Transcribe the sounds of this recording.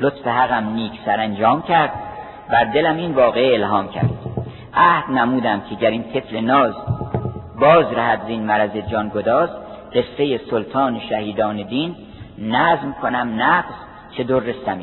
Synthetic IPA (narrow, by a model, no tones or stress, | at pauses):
lot̪feɦæɣæmniːkʰsæɾænd͡ʒɒːmcʰæɾd̪̥̚ | bæɾd̪e̞læmiːnvɒːɣeelɦɒːmcʰæ̰ɾd̪̥ | ʔæhd̪̥næmuːd̪æmcʰeɟæɾint̪ʰe̞flenɒːz | bɒːzɾæhæd̪ziːnmæɾæzed͡ʒɒːnɡod̪ɒːzɢe̞sɾe̞jesolt̪ʰɒːneʃæhiːd̪ɒːned̪iːnː | æːzmkʰonæmnæɡz̥ | t͡ʃʰe̞t̪oːɾːest̪æmi